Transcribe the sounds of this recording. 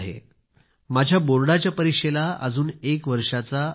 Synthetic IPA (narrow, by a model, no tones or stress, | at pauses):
ɦḛ | mad͡ʑʱjaboɾɽat͡ɕjapəɾikʂelaəd͡zuːnekʋəɾʂat͡sa